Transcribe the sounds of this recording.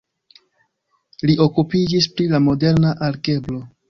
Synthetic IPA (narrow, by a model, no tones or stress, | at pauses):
liʔo̞kupid͡ʒispɾilamo̞de̞ɾnaʔaɾɡe̞blo̞